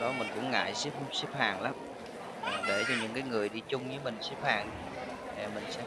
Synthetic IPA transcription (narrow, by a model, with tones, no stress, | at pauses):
ɗɔ˨˦mï˨˩ŋ̟kʊ̰˧˥ŋ͡mŋa̰ː˧˨jsi˦˥p̚si˦˥p̚haː˨˩ŋlaː˨˦m˨˩ | ɗe˧˩t͡ɕa˨˩ɲɨ̰˧˥ŋkaː˨˦jŋɨ˨˩əjɗḭ˧˥t͡ɕʊ˧ŋ͡mɲɨː˨˦mï˨˩ŋ̟si˦˥p̚haː˨˩ŋ˧˩ | mï˨˩ŋ̟sɛ̰˧˥